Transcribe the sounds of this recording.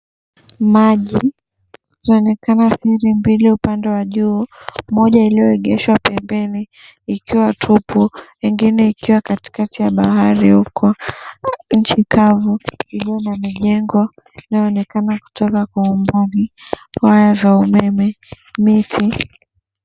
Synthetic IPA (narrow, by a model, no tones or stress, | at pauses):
maʄi | tnaɔnɛkʰanaθiɾimbiliupandɛwaʄuːmɔʄailijɔɛɠɛʃwapɛmbɛniː | kiwatʰupʰuwɛŋɡinɛikiwakati̥katijaɓahaɾihukʰɔ | ɲ̩t͡ʃikʰavuiliɔnamɛʄɛŋɡwa | inajɔɔnɛkanaku̥tɔkakwaumbalihajazaumɛmɛ | mitʰi